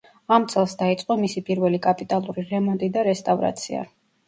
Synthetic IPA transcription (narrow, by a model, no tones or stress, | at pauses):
amt̪sʼʰɛlˠsd̪ait̪sʼqʼɔmisipʼiɾvɛlikʼapʼit̪ʼalˠuɾiɾɛmɔnt̪ʼid̪aɾɛst̪ʼavɾa̰t̪sʰia̰